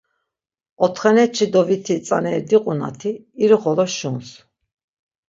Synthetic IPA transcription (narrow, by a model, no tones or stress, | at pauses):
ɔt̪ʰχɛnɛt͡ʃʰid̪ɔvit̪ʰit͡sʼanɛɾd̪iqʼuna̰t̪ʰiː | ɾuχɔlɔʃuns